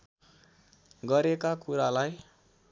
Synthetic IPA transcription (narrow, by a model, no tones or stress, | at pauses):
ɡʌɾekakuɾalaj